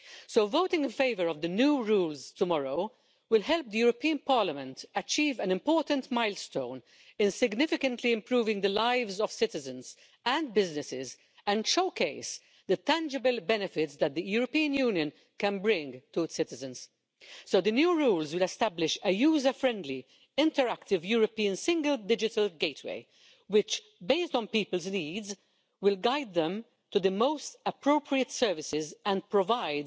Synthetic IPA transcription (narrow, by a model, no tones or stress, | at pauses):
soʊvoʊtɪ̃ŋɡɪ̃nfeɪvəɹɔvd̪ənjuːɹuːlzt̪ʊmɔɹoʊ | wɪlɦɛlp̚d̪əjuːɾɔpiːə̃npɑːɹləmə̃ntət͡ʃiːvæ̃nɪ̃mpɔːɹtə̃ntmaɪlst̪õʊ̃n | ɪ̃nsɪɡnɪfɪkə̃ntʰliɪ̃mpɾuːvɪ̃ŋd̪əlaɪvzɔv̥sɪt̪ɪzə̃nz̥ | æ̃nd̚bɪznɪsɪz | ɛ̃nʃoʊkeɪs | d̪ət̪æ̃nd͡ʒɪbəlbɛnɨfɪtsd̪æt̪̚d̪əjuːɾɔpiːə̃njuːnjə̃n | kɛ̃nbɹɪ̃ŋɡtuɪtsɪt̪ɪzɨ̃nz̥ | soʊd̪ənjuːɹuːlzwɪlɛst̪æblɪʃəjuːzəfɹɛ̃nd̪li | ɪ̃ntəɹækt̪ɪvjuːɹɔpiːə̃nsɪ̃ŋɡəldɪd͡ʒɪtəlɡeɪtʰwḛɪ | wɪt͡ʃ | beɪstnpiːpəlzniːdz | wɪlɡaɪd̪̚ðɛ̃m | tud̪əmoʊstəpɹoʊpʰɹiət̪sɛɹvɪsɪzɛ̃n̚pɹɔvaɪd